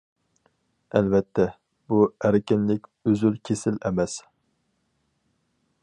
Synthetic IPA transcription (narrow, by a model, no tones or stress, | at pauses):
ɛlvɛt̪ʰːɛ | buæɾɪkʲɪnlɪkʲøzylkʲʰesɪlɛmɛs